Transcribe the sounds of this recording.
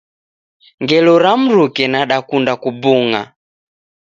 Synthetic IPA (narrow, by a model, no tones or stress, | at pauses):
ŋɡɛlɔɾam̩ɾukɛnaɗakundakubuŋa̰